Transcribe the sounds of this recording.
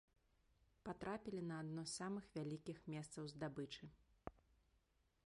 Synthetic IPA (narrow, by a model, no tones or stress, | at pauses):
pat̪ɾapʲilʲinɐːd̪nɔsːamɨxvʲalʲikʲixmʲɛst̪sɐwzd̪abɨt͡ʂɨ